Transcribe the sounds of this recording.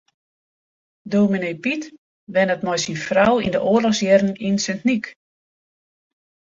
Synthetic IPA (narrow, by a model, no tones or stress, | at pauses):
doːminejpit | ʋɛnətmɔjsinfrawḭndəʔoːlɔxsjɛrn̩insɛntnik